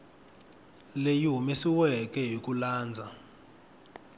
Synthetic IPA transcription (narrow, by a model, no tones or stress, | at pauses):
lejiɦumesiwɛkɛɦik̬ʼulaːnd͡zʱa